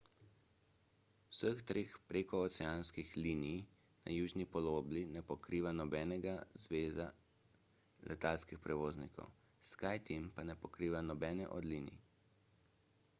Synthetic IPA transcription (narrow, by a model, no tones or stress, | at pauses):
wsəxt̪ɾeːxpɾeːkɔɔt̪sɛjanskixliːnij | na̰juːʒnipɔloːblinɛpɔkɾiːʋanɔbɛːnɛɡazʋeːza | lʔɛ̰t̪alskixpɾɛʋoːznikʰɔ̰w | skajt̪empanɛpɔkɾiːʋanɔbɛːnɛ̰ʔɔ̰d̪liːnḭ